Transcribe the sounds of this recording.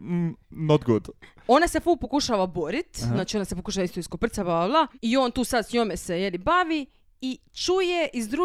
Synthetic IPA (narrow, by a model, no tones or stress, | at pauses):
nod̪ɡod̪ | o̞nase̞fupo̞kuʃaʋabo̞ɾit̪znaːt͡ʃio̞nasepo̞kuʃaʋaist̪oiskopr̩t̪sabaaʋlˠaio̞ːnt̪uːsad̪sɲo̞mesejelibaʋi | i | t͡ʃujeʔizd̪ɾu